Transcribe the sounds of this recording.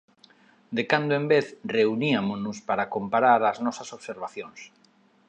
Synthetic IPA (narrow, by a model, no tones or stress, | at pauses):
d̪ekand̪oembeθreuniamonʊspaɾakompaɾaɾaznɔsasoβseɾβaθjõŋs